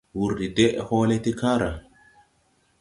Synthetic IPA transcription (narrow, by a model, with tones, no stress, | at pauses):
wu˨ɾdi˨de˦ʔho˦le˦t̪i˦ka˦ɾa˨